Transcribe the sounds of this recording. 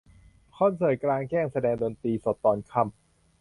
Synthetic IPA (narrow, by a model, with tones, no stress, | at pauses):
kʰɔ˥˩˨nsɤː˨˩jklaː˧ŋkɛː˥˩ŋsa˧dɛː˧ŋdoː˧nt̪iː˧so˨˩˦t̪ːɔː˨˩nkʰa˧˥˩m